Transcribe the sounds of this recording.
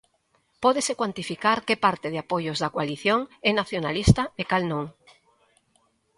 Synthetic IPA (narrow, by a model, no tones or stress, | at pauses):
pɔðesekwant̪ifikaɾkepaɾt̪eð̞eapojozðakwaliθjoŋɛnaθjonalist̪ɐekalnõŋ